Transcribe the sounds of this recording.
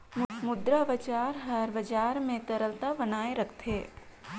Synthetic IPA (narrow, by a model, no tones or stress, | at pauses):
mʊmʊd̪ɾaʋɐd͡ʒaːɾɦɐɾʋɐd͡ʒaːɾmẽt̪ɐɾəlt̪abɐnaːeɾɐkʰt̪ʰeː